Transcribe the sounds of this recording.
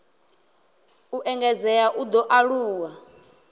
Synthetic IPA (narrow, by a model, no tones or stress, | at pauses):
uʔɛŋɡɛzɛjaʔud̪ɔʔaɺuːwa